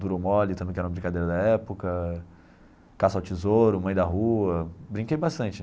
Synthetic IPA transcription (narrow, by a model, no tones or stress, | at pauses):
d̪uɾomɔlɪt̪ɐ̃mbẽj̃kɛɾũmɐbɾĩkad̪eɾɐd̪ɐɛpʊkɐ | kasawt͡ʃizoɾʊmɐ̃j̃d̪ɐɦuɐbɾĩŋkejbast̪ɐ̃nt͡ʃɪ